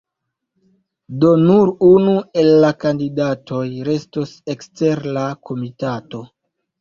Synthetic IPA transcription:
do̞nuɾunue̞lːakandidatʰo̞jɾe̞stose̞kste̞ɾlako̞mitato̞

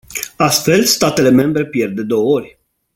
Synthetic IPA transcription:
ast̪fe̞lst̪at̪e̞le̞me̞mbɾe̞pje̞rd̪e̞d̪o̞wəo̞rʲ

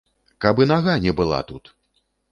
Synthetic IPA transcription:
kabɨnaɣanʲɛbɨlˠa̰t̪ut̪

